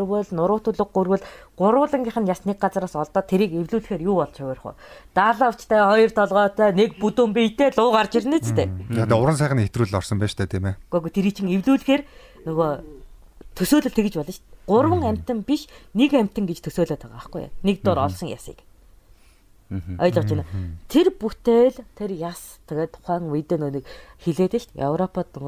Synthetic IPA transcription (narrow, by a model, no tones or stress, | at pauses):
rwə̆ɮnʊɾʊːt̪ʊɮə̆ɡːurwɘ̆ɮɢ̥ʊɾwʊːɮə̆ŋɡʲiːχə̆njasnek̚ɢat͡sraːsɔɮt̪ɔːt̪ʰːeɾiːkewɮuːɮ̆xeːrjʊːpɔɮt͡ɕʰʊwær̆χʊ̰ːt̪aːɮaːʊwt͡ɕt̪ʰæːχɔjɞ̆rt̪ʰɔɮʁɔːt̪ʰœːnekput̪uːmpijt̪eːɮʊːʁart͡ɕirniːt͡st̪ʰeːat̪aʊɾə̆ns̬æːχənːet̪ruːɮɔrsɞ̆mpæːʃt̪ʰæːt̪ʰiːmeɡ̥œɣut̪ʰeɾit͡ɕʰĭŋewɮuːɮɘ̆xeːr | nɵɣo | t̪ʰɵsoːɮɘ̆ɬt̪ʰeɣɘ̆t͡ɕpɔɮɞ̆t͡ɕɢ̥ʊrwə̆ŋæm̥ʲt̪ɘ̆mpiʃnekæm̥ʲt̪ɘ̆ŋɡet͡ɕt̪ʰɵsoːɮoːt̪ʰaʁaχɡṵja̰nek̚t̪ʊːɾɔɮsɞ̆ŋja̰sḭːk | ɔjɮə̆qt͡ɕʰinat̪ʰerput̪ʰeːɮt̪ʰerjast̪ʰaɣeːt̪ʰːʊ̥χæːŋujt̪eːnoːnĭkxeɮeːt̪ɘ̆ɬt̪jœ̰wɾɔpat̪ɵɣ